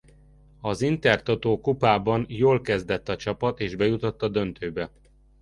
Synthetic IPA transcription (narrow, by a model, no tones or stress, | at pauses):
ɒzint̪ɛrt̪ot̪oːkupaːbɒnjoːlkɛzd̪ɛt̪ːɒt͡ʃɒpɒt̪eːʒbɛjut̪o̞t̪ːɒd̪ønt̪øːbɛ